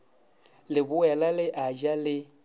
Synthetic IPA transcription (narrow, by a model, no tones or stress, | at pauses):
lɪbʊwɛlalɪʔad͡ʒalɪ